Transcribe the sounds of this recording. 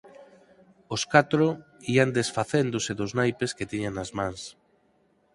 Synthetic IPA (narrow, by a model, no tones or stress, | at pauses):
oskat̪ɾo | iand̪esfaθend̪oseðoznajpesket̪iɲaŋnazmãŋs